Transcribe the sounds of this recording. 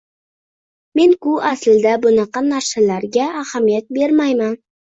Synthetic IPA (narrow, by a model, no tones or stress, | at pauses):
me̞nkʊaslɪd̪abʊnɑqɑnaɾʃalaɾɡʲaːhamijat̪̚be̞ɾmajman